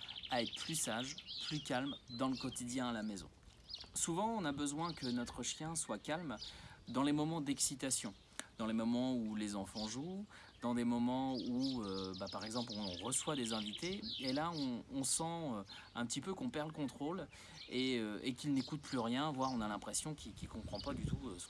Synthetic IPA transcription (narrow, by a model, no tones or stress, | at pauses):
aɛt̪plysaʒplykʲalmd̪ɑ̃ləkɔt̪id̪jɛ̃alamezɔ̰̃ | suvɑ̃ɔ̃nabəzwɛ̃kənɔt̪χəʃjɛ̃swakalmd̪ɑ̃lemɔmɑ̃d̪ɛksit̪asjɔ̃ | d̪ɑ̃lemɔmɑ̃ulezɑ̃fɑ̃ʒu | d̪ɑ̃d̪emɔmɑ̃uøbapaʁɛɡzɑ̃plɔ̃ʁəswad̪ezɛ̃vit̪eelaɔ̃ɔ̃sɑ̃ø | ɛ̰̃pət̪ipøkɔ̃pɛʁləkɔ̃t̪χol | eøekʲilnekut̪̚plyʁjɛ̃vwaʁɔ̃nalɛ̃pχesjɔ̃kʲikʲikɔ̃pχɑ̃pad̪yt̪ʰuøsə̥